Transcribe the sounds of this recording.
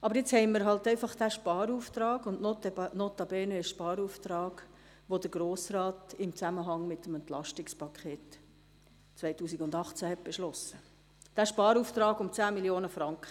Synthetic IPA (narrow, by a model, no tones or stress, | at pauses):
ʔɑbəɾjet͡shɛɪməɾɦɑltɛɪfɑχd̥æʃpɑːɾuːft̪ɾɑːɡʊndnnotɑbɛːnəɪʃʃpɑːɾuːftɾɑːɡ̥ | ʋod̥əɾɡ̥ɾoːsɾɑːtɪmt͡sæməɦɑŋmɪtːəmɛnt̪lɑʃtɪkspʰɑkʰχeːt | t͡sʋɛɪtuːsiɡʊndɑχt͡sæhɛt̚b̥ɛʃlɔsə | d̥æːʃpɑːɾuːft̪ɾɑːɡʊmt͡sæːmiljoːnəfɾɑŋkχə